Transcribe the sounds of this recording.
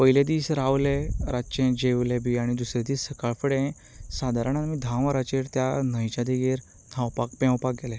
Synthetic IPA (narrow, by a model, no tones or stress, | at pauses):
pəiled̪iːsɾawleɾat͡ɕẽd͡ʑewlebiːaɽ̃id̪usɾɛd̪iːsəkaɭfəɽẽ | sad̪ʱaɾaɳ̃anmid̪ʱãw̃aɾat͡ɕeɾt̪janəjt͡ɕad̪iɡeɾ | nʰãwpak̚pãwpak̚ɡɛlɛ̃